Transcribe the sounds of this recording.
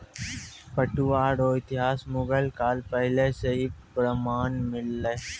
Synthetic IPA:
pəʈuʋaːɽoːɪt̪ɪɦaːsmʊɡəlkaːlpɛɦleseɦipɾəmaːnmɪlːə

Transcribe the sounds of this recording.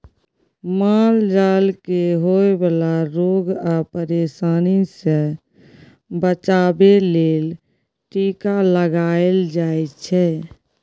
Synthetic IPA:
mald͡ʒaːlkeɦoebəlaɾoɡapəɾesaːnisẽ | bət͡ʃaːbeleːl | ʈikaləɡaeld͡ʒaet͡ʃʰɛ

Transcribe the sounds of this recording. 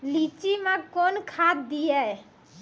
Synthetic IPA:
lit͡ʃimãkoːnkʰad̪d̪ijɛ

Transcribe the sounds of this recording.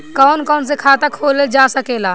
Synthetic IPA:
kɔːnkɔːns̬ekʰaːt̪akʰoːled͡ʒaːsəkeːlaː

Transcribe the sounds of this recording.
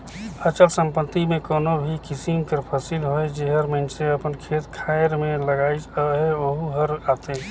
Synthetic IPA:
ət͡ʃəlsə̃mpət̪ːimẽkoːnobʱikɪsimkəɾpʰəsilɦoed͡ʒeɦəɾmə̃neɐpənkʰeːt̪kʰaːɪɾmẽləɡaːid͡ʒɦɛoɦuɦəɾaːt̪e

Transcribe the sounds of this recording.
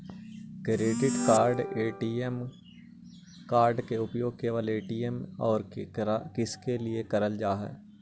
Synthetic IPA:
kɾeːʈɪɖkaːɾɖeːʈiem | kaːɾɖkeʊpjoːɡ̚keʋaːleːʈiːemɔːɾɾkɪskelɪekɐɾəld͡ʒaːɦɛ̰ː

